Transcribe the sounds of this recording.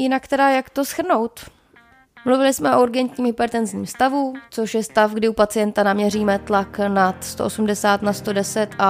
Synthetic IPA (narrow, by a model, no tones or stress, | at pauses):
jɪnakt̪ɛdajakt̪osxr̩no̞wt̪ | mluvɪlɪsmɛʔouɾɡɛnt̪ɲiːmɦɪpɛɾt̪ɛnzɲiːmst̪avut͡so̞ʃjɛst̪afɡdɪupat͡sɪjɛnt̪anamɲɛr̝iːmɛt̪laknat̪st̪oʔosumdɛsaːt̪nast̪o̞dɛsɛt̪ʔa